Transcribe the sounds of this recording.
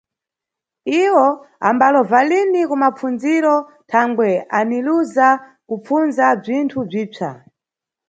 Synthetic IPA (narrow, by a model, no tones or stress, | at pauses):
iwɔ | a̰mbalɔvalinikumap͡fund͡ziɾɔ | tʰaŋɡwɛaniluzakup͡funzab͡ʐintʰub͡ʐiːt͡ʃa̰